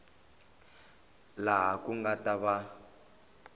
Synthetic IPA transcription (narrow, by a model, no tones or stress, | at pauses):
laɦakuŋɡataβa